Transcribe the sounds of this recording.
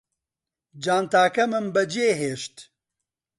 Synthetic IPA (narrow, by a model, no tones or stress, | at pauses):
d͡ʒaːnt̪aːkɐmɨmbɐd͡ʒeːɦeːʃt̪